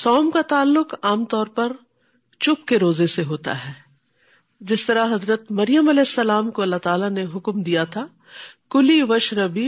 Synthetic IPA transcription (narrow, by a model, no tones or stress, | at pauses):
sɔːmkat̪aːlːʊkaːmt̪ɔːɾpɐɾ | t͡ʃʊpkeɾoːzeseɦoːt̪a̰ɦɛː | d͡ʒɪst̪ɐɾaɦɐzɾət̪mɐɾijəmɐlɛːɪsːɐlaːmkoɐlːaɦt̪aːlaneɦʊkmd̪ijat̪ʰa | kʊliʋɐʃɾɐbiː